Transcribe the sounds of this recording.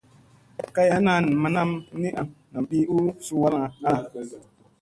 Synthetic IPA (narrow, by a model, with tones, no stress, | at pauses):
ka˦ja˦na˨n˨ma˨na˦mni˦ʔa˨mna˨m˨ɓi˦ʔu˦su˦wa˦la˨a˦